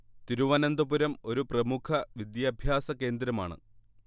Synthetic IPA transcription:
t̪iɾuʋaːnɐnd̪ɐpuɾɐmo̞ɾuprɐmukʰɐʋid̪jɐːbʱjaːsɐke̞ːnd̪ɾɐma̰ːɳɨ̰

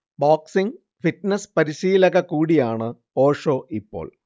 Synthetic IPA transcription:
boːksiŋ | fiʈnɐspɐɾiɕiːlɐɣɐkuːɽijaːɳɨ | o̞ːʂo̞ːʔipːo̞̰ːɭ

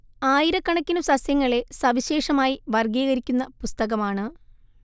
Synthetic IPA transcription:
aːjiɾɐkːɐɳɐkʲːinumsɐsjɐŋːɐɭe̞sɐʋiɕe̞ːʂɐmaːjiʋɐrɡiːɣɐɾikʲːunːɐpust̪ɐɣɐmaːɳɨ

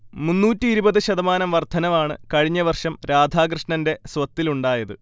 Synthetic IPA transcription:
munːuːtːiiɾubɐðɨɕɐðɐmaːnɐmʋɐrd̪ʰʱɐnɐʋaːɳɨ̰kɐɻiɲːɐʋɐrʂɐmɾaːd̪ʱaːk̬rɨʂɳɐnde̞sʋɐt̪ːiluɳɖaːjɐðɨ

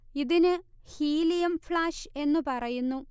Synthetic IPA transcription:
iðinɨ | hiːlijɐmfɭaːʂe̞nːupɐrɐjunːu

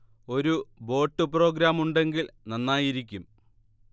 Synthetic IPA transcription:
o̞ɾubo̞ːʈːɨpro̞ːɡɾaːmuɳɖe̞ŋɡilnɐnːaːjiɾikʲːum

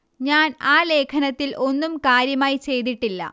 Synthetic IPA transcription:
ɲaːnaːle̞ːkʰɐnɐt̪ːilʔo̞nːumkaːɾjɐmaːjit͡ɕe̞jd̪iʈːilːɐ̰

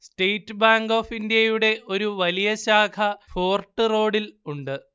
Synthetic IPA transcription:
stejtːɨbaːŋɡo̞ːfindjɐjuɽe̞ʔo̞ɾuʋɐlijɐɕaːkʰɐfo̞ːrʈːɨro̞ːɽiluɳɖɨ

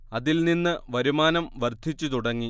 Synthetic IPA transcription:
ɐðilninːɨʋɐɾumaːnɐmʋɐrd̪ʱit͡ɕːut̪uɽɐŋːi

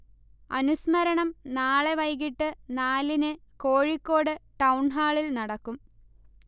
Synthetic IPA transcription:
ɐnusmɐɾɐɳɐmnaːɭeʋɐjɣiʈːɨnaːlinɨkoːɻikːo̞ːɽɨʈɐwɳɦaːɭilnɐɽɐkːum

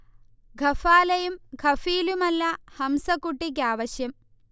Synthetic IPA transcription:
ɡʱɐfaːlɐjumɡʱɐfiːlumɐlːɐhɐmsɐkːuʈːik̬aːʋɐɕjɐm

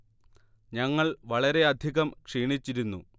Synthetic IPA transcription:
ɲɐŋːɐɭʋɐɭɐɾe̞ɐd̪ʱiɣɐmkʂiːɳit͡ɕːiɾunːṵ

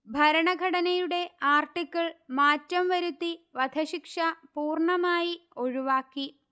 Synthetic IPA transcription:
bʱɐɾɐɳɐɡʱɐɽɐnɐjuɽe̞aːrʈikʲːɐɭmaːtːɐmʋɐɾut̪ːiʋɐd̪ʱɐɕikʂɐpuːrɳɐmaːjio̞ɻuʋaːkːi

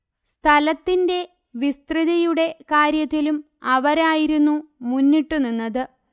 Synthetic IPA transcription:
st̪ʰɐlɐt̪ːinde̞ | ʋist̪riðɐjuɽe̞kaːɾjɐt̪ːilum | ɐʋɐɾaːjiɾunːumunːiʈːunːunːɐðɨ

